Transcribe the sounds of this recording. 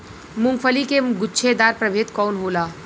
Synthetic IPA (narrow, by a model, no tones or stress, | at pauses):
mʊŋɡpʰəlikeɡʊtːʃʰed̪aɾpɾəbʱet̪kɔːnɦola